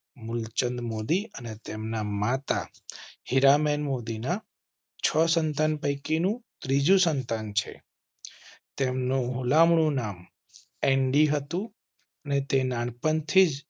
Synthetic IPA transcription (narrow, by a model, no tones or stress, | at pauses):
mʊlt͡ʃənd̪mod̪iənet̪emnamat̪a̰hiɾamenmod̪ina | t͡ʃʰəsənt̪anpəjkinũt̪ɾid͡ʒũsənt̪ant͡ʃʰḛ | t̪emnũɦulamɳ̃ũnam | eɳɖiɦət̪ũ | ənet̪enaɳpənt̪ʰid͡ʒ